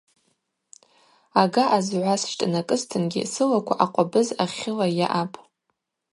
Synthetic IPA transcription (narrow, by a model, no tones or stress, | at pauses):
aɡaʔazʕʷasʃtʼnakʼɨztʰɨnɡʲḭsɨlakʷʰa̰ʔaqʷʼabɨzaχʲɪlaja̰ʔapʼ